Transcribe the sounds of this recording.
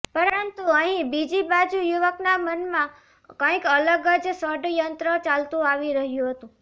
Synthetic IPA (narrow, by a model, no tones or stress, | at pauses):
pəɾənt̪uəɦĩbid͡ʒibad͡ʒujuʋəknamənmã | kə̃ĩkələɡəd͡ʒsəɖjənt̪ɾət͡ʃalt̪ũaʋiɾəɦjũɦət̪ũ